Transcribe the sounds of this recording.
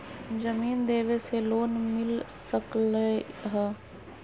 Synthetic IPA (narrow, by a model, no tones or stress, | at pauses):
d͡ʒəmiːnd̪eːʋeseloːnmɪlsəkləɦɛː